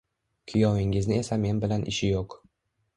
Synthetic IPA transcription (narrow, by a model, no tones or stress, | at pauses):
kʲʰʊjɒwɪŋɪznɪe̞same̞nbɪlanʔɪ̰ʃɪjoq